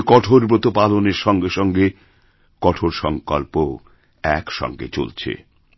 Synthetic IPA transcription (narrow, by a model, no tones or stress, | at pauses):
kɔʈʰoɾbɾot̪opaloneɾʃɔŋɡeʃɔŋɡe | kɔʈʰoɾʃɔŋkɔlpo | ɛkʃɔ̰ŋɡḛt͡ɕo̰lt͡ɕʰḛ